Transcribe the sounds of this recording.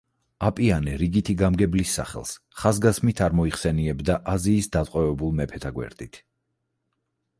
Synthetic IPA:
apʼianɛɾiɡit̪ʰiɡamɡɛblisːa̰χɛ̰lˠs | χazɡasmit̪ʰaɾmɔiχsɛniɛbd̪aʔaziːsd̪at̪ʼqʼwɛvɛbulˠmɛpʰɛt̪ʰaɡwɛ̰ɾd̪̥it̪ʰ

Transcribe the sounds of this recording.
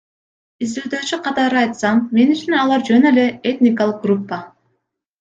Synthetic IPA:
izd̪yld̪øːt͡ʃyqʰɑt̪ɑɾɯɑjt̪sɑmːe̞nyt͡ʃynɑlˠɑɾd͡ʒø̞nøle̞et̪ʲnʲɪkalˠɯq̚ɡrupːa

